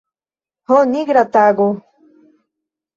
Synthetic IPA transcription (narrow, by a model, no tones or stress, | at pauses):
honiɡɾat̪aɡu